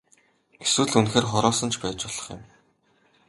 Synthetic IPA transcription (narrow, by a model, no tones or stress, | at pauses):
ɡeswɘ̆ɮunxeːrχɔɾɔːsə̆nt͡ɕʰpæːt͡ɕpʊɮ̥ɞ̆χjʊ̰̆m